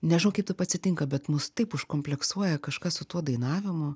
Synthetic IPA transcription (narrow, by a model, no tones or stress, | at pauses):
nʲɛʒʲɪnɐʊkɐɪp̚t̪ɐɪpɐt̪ʲsʲɪt̪ʲɪŋkɐbʲɛt̪mʊst̪ɐɪpʊʃkoːmʲpʲlʲɛksuɔjɛkɐʃkɐssʊt̪uɔd̪ɐɪnɑːʋʲɪmʊ